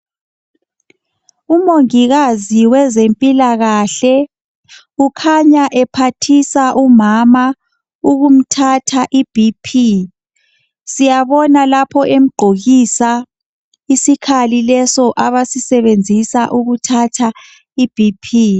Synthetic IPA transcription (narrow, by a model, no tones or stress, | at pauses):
umoŋiɣaziwɛzempʼilaɣaɬɛ | ukʰaɲaʔɛpʰatʰisaʔumama | uɣum̩tʰatʰaʔib̥ʱipʰi | sijaβɔnalapʰɔʔem̩ɡ͡ǃʱoɣisa | isikʰalilɛsɔʔaβasisɛβend͡zʱisaʔuɣutʰatʰa | ib̥ʱipʰiː